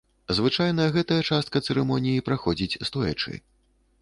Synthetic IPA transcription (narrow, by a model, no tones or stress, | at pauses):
zvɨt͡ʂajnɐɣɛt̪ɐjɐt͡ʂast̪̚kɐt̪sɛɾɛmɔnʲijipɾaxɔd͡zʲit͡sʲst̪uɛ̰t͡ʂɨ̰